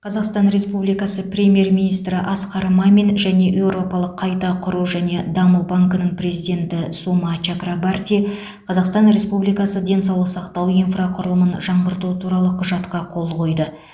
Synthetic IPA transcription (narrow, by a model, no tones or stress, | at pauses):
qʰɑzɑqst̪ɑnɾe̞spublijkɑsəpɾʲe̞mʲje̞rminijst̪ɾɪʔɑsqɑɾmamenʒæne̞ʔe̞wɾo̞pɑlˠəqʰːɑjt̪ɑqʰʊɾuʒæne̞d̪ɑməlˠbaŋkənəɴpre̞zijd̪ʲe̞nt̪ɪsumat͡ʃakrabart̪ʲi | qʰɑzɑqst̪ɑnɾe̞spublijkɑsəd̪e̞nsɑwlˠəqsɑqt̪ɑwijnfraqʰʊɾəlˠəmənʒɑɴʁəɾt̪uət̪ʰuɾɑlˠəqʰʊʒɑt̪qɑqʰo̞lˠqʰo̞jd̪ə